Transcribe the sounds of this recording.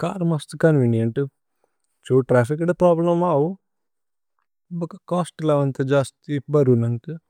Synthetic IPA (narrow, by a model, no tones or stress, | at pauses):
ka̰ːɾmɐst̪ɨkɐnʋinijɐɳʈu | t͡ʃuːʈɾaːfikɐɽepɾaːblɐmaːwu | bɐkɐkaːsʈlɐʋɐnt̪ed͡ʒaːst̪ibɐɾunɐnkɨ